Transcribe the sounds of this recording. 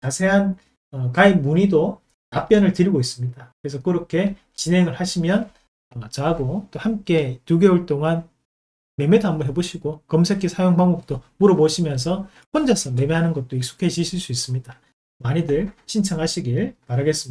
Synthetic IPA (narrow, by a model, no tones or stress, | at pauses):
t͡ɕasʰe̞ɦan | ʌkainmuɲido | tap͈jʌnɯɭtɯɾiɡois͈ɯmɲidakɯɾe̞sʰʌkɯɾʌkʰe̞ | t͡ɕinɦeŋɯɭhaɕʰimjʌn | ʌt͡ɕʌɦaɡot͈ohamk͈e̞tuɡe̞uɭt͈oŋan | me̞medambuɦeboɕʰiɡokʌmsʰekʰisʰajoŋbaŋok̚t͈omuɾʌboɕʰimjʌns̬ʰʌ | ɸond͡ʑasʰʌme̞meɦanɯnɡʌt̚t͈oik̚s͈ʰo̥kʰeɕʰiɕʰiɭs͈uis͈ɯmɲida | maɲidɯɭɕʰint͡ɕʰʌŋɦaɕʰiɡimaɾɦaɡe̞s͈ɯm